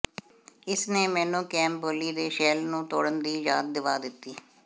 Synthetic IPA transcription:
ɪsneːmɛːnũːkɛ̃ːmboːliːd̪eːʃeːlnũːt̪oːɽənd̪iːjaːt̪̚d̪ɪʋaːd̪ɪt̪ːiː

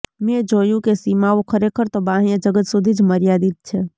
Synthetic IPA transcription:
mẽd͡ʒoːjũkesiːmaokʰəɾekʰəɾt̪obãːɦjãd͡ʒəɡət̪sud̪ʱid͡ʒməɾjad̪it̪̚t͡ʃʰɛ

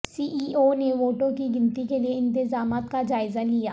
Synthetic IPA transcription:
siːʔiːoneʋoːʈõkiɡɪ̃nt̪ikelieɪ̃nt̪ɪzaːmaːt̪kad͡ʒaːɪzalijaː

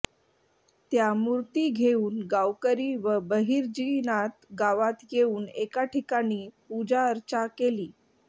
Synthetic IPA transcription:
t̪jamuɾt̪iːɡʱeuːnɡawkəɾiːʋəbəɦiːɾd͡ʑinat̪ɡaʋat̪jeuːnekaʈʰikaɽ̃iːpud͡ʑaəɾt͡ɕakeliː

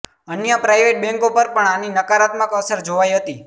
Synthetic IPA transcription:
ənjəpɾajʋeʈ̚bɛ̃ŋkopəɾpəɳaninəkaɾat̪məkəsəɾd͡ʒoʋajɦət̪i

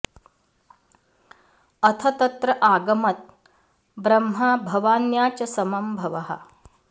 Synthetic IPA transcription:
ɐt̪ʰɐt̪ɐt̪ɾɐʔaːɡɐmɐt̪̚ | bɾɐmɦɐbʱɐʋaːnjaːt͡ʃɐsɐmɐmbʱɐʋɐɦɐ̰

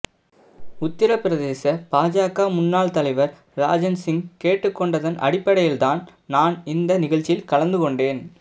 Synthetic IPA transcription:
ʊt̪ːɪɾɐpːɪɾɐðeːsɐpaːd͡ʒaːkːaːmʊnːaːɭt̪ɐlɐɪʋɐɾ | ɾa̰ːd͡ʒɐnsɪŋkeːʈːɯkːɔɳɖɐðɐnʔɐ̰ɽɪpːɐɽɐjɪlt̪aːn | naːnɪnd̪ɐnɪɣɐɭt͡ʃːɪjɪlkɐɭɐnd̪ɯkɔɳɖeːn

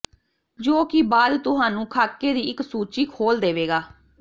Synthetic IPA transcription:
d͡ʒoːkɪbaːd̪t̪ʊɦaːnũːkʰaːkːeːd̪iːɪksuːt͡ʃiːkʰoːld̪eːʋeːɡaː

